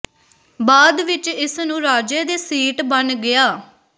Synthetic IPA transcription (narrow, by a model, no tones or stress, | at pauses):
baːd̪ʋɪt͡ʃɪsnũːɾaːd͡ʒeːd̪eːsiːʈbənɡɪaː